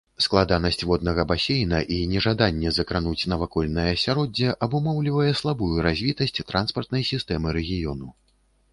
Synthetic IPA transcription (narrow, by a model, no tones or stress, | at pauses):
sklˠad̪anɐsʲt͡sʲvɔd̪̚nɐɣɐbasʲejnɐʔinʲɛʐad̪anʲːɛzɐkɾanut͡sʲnɐvakɔlʲnɐjɐːsʲaɾɔd͡zʲːɛʔɐbumɔwlʲivɐjɛslˠabujuɾazʲvʲit̪ɐsʲt͡sʲt̪ɾanspɐrt̪nɐjsʲist̪ɛmɨɾɛɣʲijɔnu